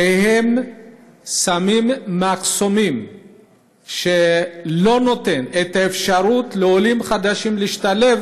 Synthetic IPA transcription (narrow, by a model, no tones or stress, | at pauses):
ehem | samimːakso̞mim | ʃelo̞no̞t̪e̞net̪aefʃaɾut̪leolimχad̪aʃimliiʃt̪ale̞v